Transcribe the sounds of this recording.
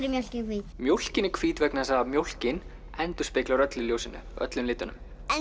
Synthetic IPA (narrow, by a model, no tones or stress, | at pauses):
ɾɪmjowl̥cɪkʰviːmjowl̥cɪnɪɾkʰv̥iːt̪vɛknasaamjowl̥cɪn | ɛnt̪ʏ̥spɪːklaɾœt̪lɪljoːwsɪnːʏ̰œ̰t̪lʏmlɪːt̪ʏnʏ̰m | ɛ